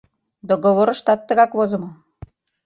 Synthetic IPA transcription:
d̪oɣoβoɾɤ̆ʃt̪ɑt̪ːə̆ɣɑkβozɤ̆mŏ

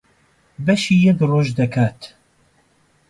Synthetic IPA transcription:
bɐʃijɛbroːʒd̪ɐkʰaːt̪

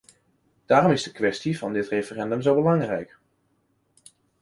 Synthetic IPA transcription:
d̥aːrɔmɪzdəkʋɛstivɑndɪtrefərɛndəmzowbəlɑŋrɛ̰jk

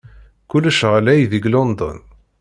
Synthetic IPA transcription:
kulːəʃəʁlæjðiɡlond̪ɔ̰n

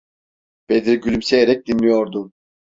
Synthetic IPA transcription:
b̥ed̪iɾɟylʲymsejeɾɛc̚d̪inlʲijo̞ɾd̪ʊ

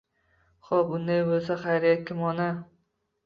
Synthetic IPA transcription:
χɒbʊnd̪ajbolˠsaχajɾijakʲʰɪmɒna

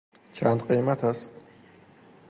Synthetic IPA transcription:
t͡ʃʰant̪ʼqʼimat̪ʰas

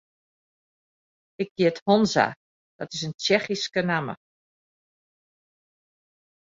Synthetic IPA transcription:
ɪk̚ɡiəthonza̰ | d̥ɔtɪsənt͡ʃɛxiskənamə̰

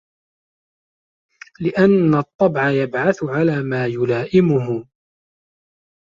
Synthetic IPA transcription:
lɪʔanːat̪ˤːɑbʕajabʕaθʊʕalaːmaːjʊlaːʔɪmʊɦʊ

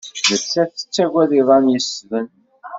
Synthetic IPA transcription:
nət͡sːæθə̥t͡sːæɡʷæðiðˤɑnjəsvən

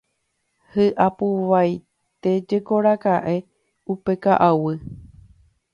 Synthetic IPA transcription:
hɨʔapuʋaj | t̪e̞d͡ʒe̞ko̞ɾakaʔe̞ | upe̞kaʔawɨ

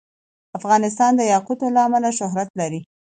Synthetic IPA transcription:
afɣɑnɪs̬t̪ɑnd̪əjɑqut̪olaamalaʃʊɦɾat̪laɾi

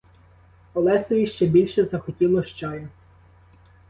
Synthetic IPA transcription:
ɔlˠɛsɛjiʃt͡ʃɛbʲilʲʃɛzɐxɔtʲilˠɔʃt͡ʃɑjʊ

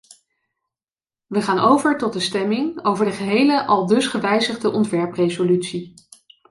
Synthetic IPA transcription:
ʋəχaːnowvəɹtɔt̚dəstɛmɪŋowvəɹdəχəɦejləʔɑlˠdɵsχəʋɛjzəχdəʔɔntʋɛɹprezolytsi

